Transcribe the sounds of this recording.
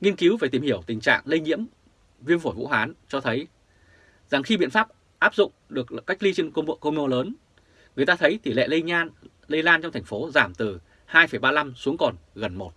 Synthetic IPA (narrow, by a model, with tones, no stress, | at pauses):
ŋi˧ənki˨˦wve˨˩t̪i˧˩mhi˧˩əwt̪ï˨˩ŋ̟t͡ɕa̰ː˧˨ŋlə˧jɲḭ˧˥əm | vi˧ənfo˧˩jvṵ˧˥ɦwaː˨˦nt͡ɕɔ˧t̪ʰə˨˦j | za˨˩ŋxi˧ɓḭ˧˨ənfaː˦˥p̚ | ʔaː˦˥p̚zʊ̰˧˨ŋ͡mɗɨ˨˩ək̚kːa˦˥jk̚li˧t͡ɕe˧n˧ko˧mo˧ləː˨˦n | ŋɨ˨˩əjt̪aː˧t̪ʰə˨˦jt̪i˧˩lḛ˧˨lə˧jɲaː˧n | lə˧jlaː˧nt͡ɕɔ˧wŋ͡mt̪ʰɛ˨˩jŋ̟fo˨˦zaː˧˩mt̪ɨ˨˩ | haː˧jfə˧˩jɓaː˧la˧msu˨˦əŋkɔ˨˩nɣə˨˩nmo˨˩t̚